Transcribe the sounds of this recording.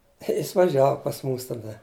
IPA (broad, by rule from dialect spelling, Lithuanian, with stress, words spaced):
ɪ ˈjɪs ʋɐˈʒʲæːʋʊ pɐs ˈmuːs tɐˈdɐ